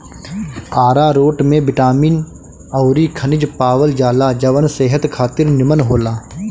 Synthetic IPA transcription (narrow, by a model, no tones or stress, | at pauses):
aːɾaɾoːʈmẽbɪʈaːmiːn | ɐʊɾikʰənɪd͡ʒpaːʋəld͡ʒaːlad͡ʒɐʋənseːɦət̪kʰaːt̪ɪɾnɪmənɦoːlaː